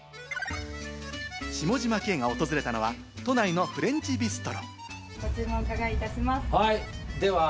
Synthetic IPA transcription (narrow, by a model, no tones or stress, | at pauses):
ɕimo̞ʑimakẽ̞ːŋɡao̞t̪o̞zɨɾe̞t̪ano̞βa | t̪o̞naino̞ɸɯ̟ɾẽ̞ɲ̟t͡ɕibʲisɨ̥t̪o̞ɾo̰ | ɡot͡sɨːmookaɡaiːt̪aɕimashaid̪e̞βa